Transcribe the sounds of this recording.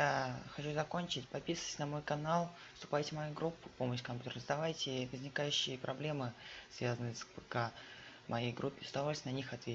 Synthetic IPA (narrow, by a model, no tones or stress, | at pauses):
jaxɐt͡ɕuzɐko̞nʲt͡ɕɪtʲpɐpʲisəv̥ə̥tʲɪ̥sʲnɐmo̞jkɐnalˠ | fst̪ʊ̥pajtʲɪmɐjujɡɾupːɨ̥po̞məɕkɐmpʲut̪ʲəɾəzd̪ɐvajtʲɪvəzʲnʲɪkajʉɕːɪjəpɾɐblʲe̞mɨsvʲazənɨsbɨka | mʔɐjejɡɾʔupʲːɪsd̪ɐvolʲsʲnɐnʲixɐt̪vʲe